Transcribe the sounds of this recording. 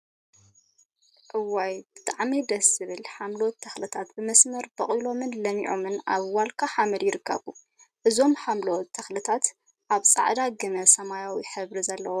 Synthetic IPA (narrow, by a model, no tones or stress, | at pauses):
ʔɨwːajb̥ɨt̪ʼaʕmid̪ɐsɨβɨlħamlot̪ʰːɐxlɨt̪ʰat̪bɨmɐsmɐɾb̥ɐχʼilo̞mɨnlɐmiʕomɨnaβwalkʰaħamɐljɪɾɨkːɐ̰βu | ʔɨzo̞mħamlowt̪ʰːɐxlɨt̪ʰat̪ | ʔaβt͡sʼa̰ʕd̪aɡɨmɐsɐmajawiħɨβɾizɐlːɐwo